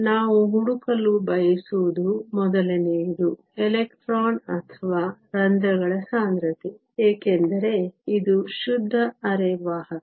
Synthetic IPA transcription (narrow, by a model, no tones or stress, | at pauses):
naːʋuɦuɽukɐlːubɐjɐsuʋud̪umɔd̪ɐlɐneid̪u | elekʈɾaːnɐt̪ʰɐʋaːɾɐnd̪ɐɡɐɭɐsaːnd̪ɾɐt̪e | eːkend̪ɐɾe̞id̪uʃud̪ʱːɐːɾeʋaːɦɐ